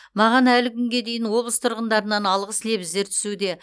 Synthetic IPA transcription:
mɑʁɑnælɪkʲʰʏŋɡʲe̞d̪e̞jɪnwo̞blˠəst̪ʰʊɾʁənd̪ɑɾənɑnɑlˠʁəsle̞βɪzd̪e̞ɾt̪ʰʏ̥sud̪e̞

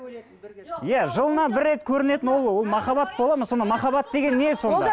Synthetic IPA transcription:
jæʒəlˠənɑbɪɾːe̞t̪kʲʰɵɾɪne̞t̪ɪnwo̞lˠwo̞lˠmɑχɑbɑt̪̚bo̞lˠɑməzso̞nd̪ɑmɑχɑbɑt̪̚d̪e̞ɡʲe̞nːe̞so̞nd̪ɑ

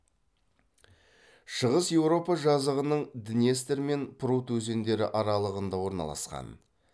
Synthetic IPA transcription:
ʃəʁəsje̞wɾo̞pɑʒɑzəʁənəɴd̪ɪnjest̪eɾme̞npʰʊɾut̪ʰɵze̞nd̪e̞ɾɪ̰ʔɑɾɑlˠəʁənd̪ɑwo̞ɾnɑ̰lˠɑ̰sqɑ̰n

